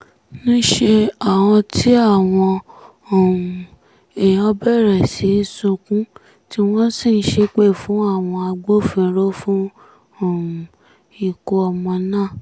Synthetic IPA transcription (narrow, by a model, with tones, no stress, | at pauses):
nĩ˦ʃe˧a˨w̃ɔ̃˧ti˨˦a˦˨w̃ɔ̃˧˦˨ | e˨jɔ̃˨˦bɛ˦˨ɾɛ˨si˨˦sũ˧kũ˦ | ti˦w̃ɔ̃˦si˦˨n̩˦ʃe˧k͡pe˦˨fũ˨˦a˦˨w̃ɔ̃˧a˧ɡ͡bo˦˨fĩ˧˦ɾo˦fũ˦ | o˦˨ | i˨ko˧ɔ˧mɔ̃˧nãː˦˨